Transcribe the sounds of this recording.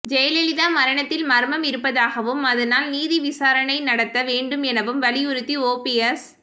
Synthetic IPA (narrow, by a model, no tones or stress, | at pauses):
d͡ʒɛjɐlɛlɪðaːmɐɾɐɳɐt̪ːɪlmɐɾmɐmɪɾɯpːɐðaːɣɐʋɯmɐðɐnaːlniːðiʋɪsaːɾɐɳɐɪnɐɽɐt̪ːɐʋeːɳɖɯmɛnɐʋɯmʋɐlɪjʊɾɯt̪ːioːpiɛs